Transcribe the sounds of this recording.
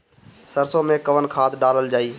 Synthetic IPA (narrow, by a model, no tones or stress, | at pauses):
səɾsoːmẽkəʋənkʰaːt̪ɗaːləld͡ʒaːiː